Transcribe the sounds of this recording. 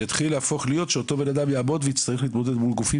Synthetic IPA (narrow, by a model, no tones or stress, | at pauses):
at̪χilːeafo̞χlijo̞t̪ʃeot̪o̞benad̪amjaːbo̞d̪vejit͡st̪aʁɛliːt̪mod̪e̞d̪mulɡufi